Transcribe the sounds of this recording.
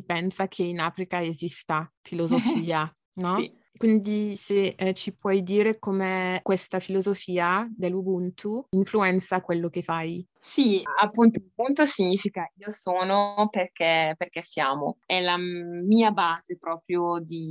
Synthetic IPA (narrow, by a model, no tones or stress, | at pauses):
ipɛnsakʰeinaːfɾikaezist̪afilozofiːa | nɔ | kwind̪iset͡ʃipwɔjd̪iːɾekomekwest̪afilozofiːad̪elːubunt̪ʰuiɱfluɛnt̪sakwelːokefaj | siapːunt̪oubunt̪osiɲiːfikaiːosoːnoperkɛperkɛsjaːmoɛlamiːabaːzepɾɔːpɾjod̪i